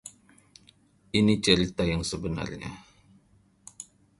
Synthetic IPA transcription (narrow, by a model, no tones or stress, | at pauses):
ʔinit͡ʃəɾit̪ajaŋsəbəna̰rɲa̰